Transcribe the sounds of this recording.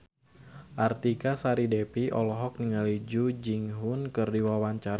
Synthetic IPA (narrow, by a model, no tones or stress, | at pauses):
ʔart̪ikasaɾidepiʔɔ̰lɔɦɔk̚niŋalid͡ʒud͡ʒiŋɦunkɨrdiwawaɲt͡ʃaɾa